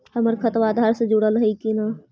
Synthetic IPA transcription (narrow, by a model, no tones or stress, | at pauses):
həməɾkʰət̪ʋad̪ʱaɾsẽd͡ʒuɽəlɦəikina